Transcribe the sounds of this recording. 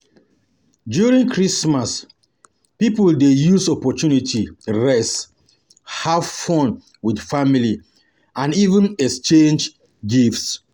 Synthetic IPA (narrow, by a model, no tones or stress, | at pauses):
djuɹĩŋkʰɹismas | pipɔldejusɔpɔtʰunitʰiɹɛs | havfɔ̃n | widfamili | ãnivə̃nɛkst͡ʃẽnd͡ʒ | ɡifts